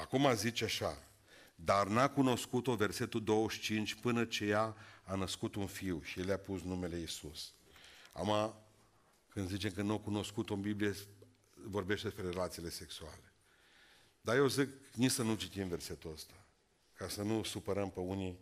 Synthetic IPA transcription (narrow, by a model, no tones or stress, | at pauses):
akumazit͡ʃaʃa | d̪arnakuno̞skut̪o̞ve̞rse̞t̪ud̪o̞wəʃt͡ʃint͡ʃʲpɨnət͡ʃe̞jaːnəskut̪unfiwʃije̞ljʲapusnume̞le̞isus | a̰ma | kɨnd̪zit͡ʃe̞mkənukuno̞skut̪oəmbiblije | vo̞rbe̞ʃt̪ed̪espɾe̞ɾelat̪sile̞se̞ksuale̞ | d̪aje̞wziknisənut͡ʃit̪imve̞rse̞t̪uəst̪ḁ | kasənusupəɾəmpəuni